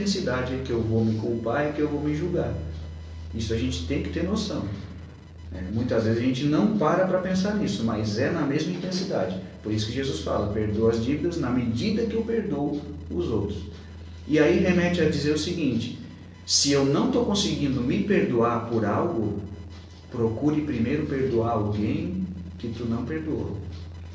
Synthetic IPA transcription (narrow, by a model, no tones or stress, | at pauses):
ẽsid̪ad͡ʒɪɛkɪewvomɪkuwpaɾɪkɪewvowmɪʒuwɡa̰ɾ | isʊaʒẽnt͡ʃɪ̥t̪ẽj̃kɪ̥t̪eɾnosɐ̃w̪̃ | ɛ̰mũj̃t̪ɐzvezɪzɐʒẽt͡ʃɪnɐ̃w̃paɾɐpɾɐpẽsaɾnisʊmajzɛnɐmezmɐĩt̪ẽsid̪a̰d͡ʒɪpoɾisʊ̥kɪʒezusfa̰lɐpeɾd̪owɐzd͡ʒivid̪ɐznɐmed͡ʒid̪ɐkɪewpeɾd̪owʊzowt̪ɾʊs | ɪaiɦemɛt͡ʃɪɐd͡ʒizeɾʊsɪɡĩnt͡ʃɪ̥ | sɪewnɐ̃w̃t̪owkõsɪɡĩnd̪ʊmɪpeɾd̪uaɾpoɾawɡʊ | pɾokuɾɪpɾimejɾʊpeɾd̪uaɾawɡẽj̃kɪt̪unɐ̃w̃peɾd̪uo̰